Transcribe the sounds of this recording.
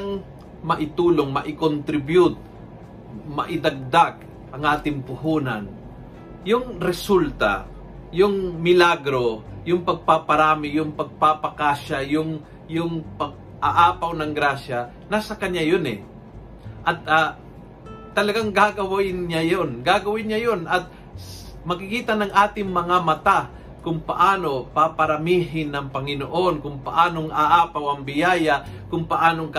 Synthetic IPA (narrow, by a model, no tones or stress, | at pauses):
aŋ | mɐʔɪt̪uːloŋmɐʔɪkont̪ɾɪbjʊt̪̚ | mɐ̰ʔɪd̪ɐɡ̚d̪aɡ | ʔɐŋʔaːt̪ɪŋpʊhuːnɐ̰n | jʊŋɾɛsult̪a̰ | jʊŋmɪlaɡɾo̞jʊŋpɐɡ̚papɐɾaːmɪjʊŋpɐɡ̚papɐkaːʃɐjʊŋ | jʊŋpɐɡ̚ | ʔaʔaːpɐwnɐŋɡɾaːʃɐ | nasɐkɐɲajonɛ̰ | ʔɐt̪̚aː | ɐlɐɡaŋɡaɡɐwaʔɪnɲajonɡaːɡɐwɪnɲajonɐt̪̚ | mɐkɪkiːt̪ɐnɐŋʔaːt̪ɪŋmɐŋamɐt̪a | kʊŋpɐʔaːno̞papɐɾɐmiːɦɪnːɐŋpɐŋɪnoʔo̞nkʊŋpɐʔaːnoŋʔaʔaːpawɐŋbɪjaːjakʊŋpɐʔaːnoŋk